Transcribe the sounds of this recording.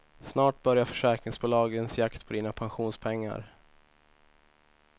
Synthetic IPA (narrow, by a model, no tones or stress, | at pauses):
snɑːʈ̚bœɾjafœ̥ʂæɾkɾɪŋsbuːlɑːɡənsjakt̪pʰɔd̪iːnapʰanɧuːnspʰɛŋːa̰ɾ